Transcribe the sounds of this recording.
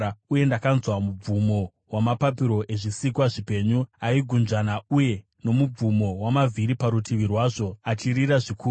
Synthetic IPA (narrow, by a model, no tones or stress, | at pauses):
uje̞ndakanzwamub͡vumo̞ | wamapapiɾo̞ʔe̞ʐisikwaʐipe̞ɲuaiɡʱund͡ʒanauje̞ | no̞mub͡vumo̞wamavʱiɾipaɾutʰiʋirwaːʐo̞at͡ʃiɾiɾaʐikuː